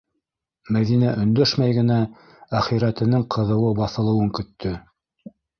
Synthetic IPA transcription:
mæðinæʔɵ̆nd̪ɵʃmæjɡɘ̆næ | æχiɾæt̪ɘ̆nɘɴqʰɤ̆ðɤ̆wɤbɑθɤ̆lˠɤ̆wɤŋkɵ̆t̪ʰːɵ

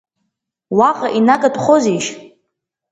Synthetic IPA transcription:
waqʼaʔinakʼadʼχoziʃ

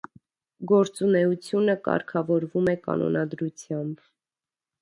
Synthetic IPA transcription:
ɡɔɾt͡sunɛut͡sʰjunəkɑ̰ɾkʰɑvɔɾvumɛkɑ̰nɔ̰nɑd̪ɾut͡sʰjɑmb

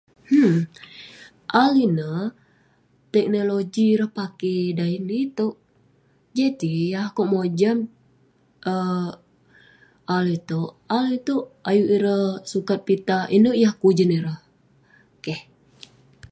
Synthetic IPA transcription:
h̩ | ʔalinə | t̪ɛk̚noloɡiːɾəhpakedainit̪oʔ | d͡ʒadijahkoʔmod͡ʒam | ʔə | alit̪oʔalit̪oʔajuʔiɾəhsukat̪̚pit̪aʔinəʔjahkud͡ʒəniɾəh | keh

